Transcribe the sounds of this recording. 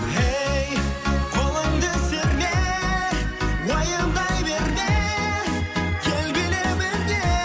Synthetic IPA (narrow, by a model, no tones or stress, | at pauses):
hejqʰolˠəŋd̪əseɾɡ̪ʲe | wɑjənd̪ɑjbeɾɡ̪e | kʲʰelbʲelebeɾɡ̪e